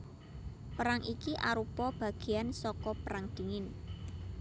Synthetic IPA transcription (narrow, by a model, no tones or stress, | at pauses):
pəɾaŋikiʔaɾupɔb̥ä̤ɡ̥i̤jansɔkɔpəɾaŋd̪̥i̤ŋɪn